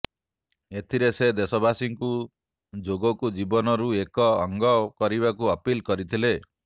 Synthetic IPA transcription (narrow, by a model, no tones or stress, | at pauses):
et̪ʰiɾesed̪esɔbasiŋku | d͡ʒoɡɔkud͡ʒibɔnɔɾuekɔːŋɡɔkɔɾibakuɔpilkɔɾit̪ʰile